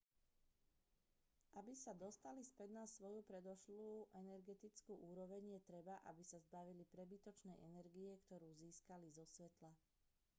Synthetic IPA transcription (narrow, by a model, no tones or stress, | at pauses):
abisad̪ɔst̪alispɛd̪nasʋɔjupɾɛd̪ɔʃluːʔɛnɛɾɡɛt̪it͡skuːʔuːɾɔʋɛɲjɛt̪ɾɛbaʔa̰bisazbaʋilipɾɛbit̪ɔt͡ʃnɛʔɛnɛɾɡiɛkt̪ɔɾuːziːskalizɔsʋɛt̪la